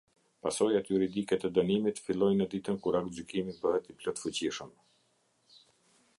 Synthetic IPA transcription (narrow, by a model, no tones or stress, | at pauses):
pasɔjat̪juɾid̪ikɛt̪ɛd̪ənimit̪filˠɔjnəd̪it̪ənkuɾakt̪d͡ʑykimit̪bəɦɛt̪ːiplɔt̪fut͡ɕiʃəm